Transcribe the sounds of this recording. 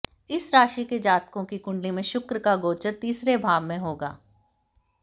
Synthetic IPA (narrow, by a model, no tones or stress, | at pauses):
ɪsɾaːʃiked͡ʒaːt̪kõkikʊ̃ɳɖlimẽʃʊkɾəkaɡoːt͡ʃəɾt̪iːsɾebʱaːbmẽɦoːɡa̰ː